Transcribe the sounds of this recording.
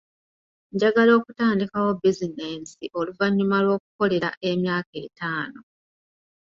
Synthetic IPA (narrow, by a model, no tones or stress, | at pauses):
ɲɟaɡalo̞ːkutaːndikawo̞bizineːnsiʔo̞luvaɲːumalwo̞ːku̥ko̞le̞ɾaʔe̞mjaːke̞ːtaːno̞